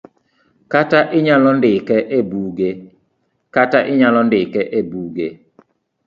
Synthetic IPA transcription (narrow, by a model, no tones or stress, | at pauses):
kataʔɪɲalɔndɪkɛʔebuːɡe | kataʔɪɲalɔndɪkɛʔebuːɡe